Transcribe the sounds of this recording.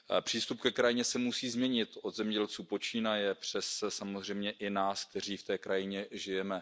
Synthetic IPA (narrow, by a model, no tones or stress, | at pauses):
pr̝̥iːst̪upkɛkɾajɪɲɛsɛmusiːzmɲɛɲɪt̪ʔod̪zɛmɲɛɟɛlt͡suːpo̞t͡ʃiːnajɛpr̝̥ɛssamozr̝ɛjmɲɛʔɪnaːsk̚t̪ɛr̝iːft̪ɛːkɾajɪɲɛʒɪjɛmɛ